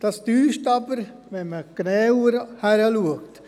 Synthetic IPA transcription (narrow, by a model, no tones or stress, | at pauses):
d̥ɑsd̥yːʃtɑbəɾ | ʋɛnməɡ̥nɛːɾhæɾəluəkt